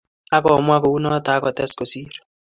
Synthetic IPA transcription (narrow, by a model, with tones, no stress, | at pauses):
a˦kɔ˨mwa˦ko˨u˦nɔ˦ta˦kɔ˨t̪ɛ˦sko˨siː˦ɾɛ̥